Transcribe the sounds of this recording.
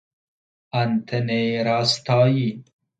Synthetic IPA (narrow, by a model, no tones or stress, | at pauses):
ɐnt̪ʰeneɾaːst̪ɑːji